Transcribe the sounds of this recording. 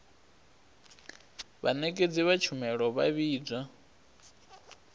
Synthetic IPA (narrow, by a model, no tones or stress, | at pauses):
βa̰nɛkʼed͡ziβat͡ʃʰumɛɺɔβaβiːd͡zwa